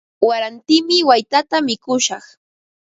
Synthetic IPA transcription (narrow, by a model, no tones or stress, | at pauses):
waɾant̪ɪmɪwajt̪at̪amɪkʊʃɑχ